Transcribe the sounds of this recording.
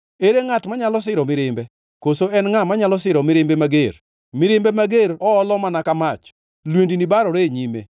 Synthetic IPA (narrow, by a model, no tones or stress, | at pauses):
eɾeŋatmaɲalɔs̬ɪɾɔmɪɾɪmbɛ | kosoɛnŋamaɲalɔsɪɾɔmɪɾɪmbemaɡeɾ | mɪɾɪmbemaɡeɾɔːlɔmanakamat͡ʃ | lwendinibaɾɔɾeɲimḛ